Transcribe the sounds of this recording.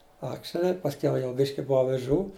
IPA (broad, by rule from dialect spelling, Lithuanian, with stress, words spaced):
ˈɑːkʃʲɛlʲɪ pɐsʲˈkʲɛʊ jɛʊ ˈbʲɪʃʲkʲɪ ˈboːw ɐʋʲɪˈʒuː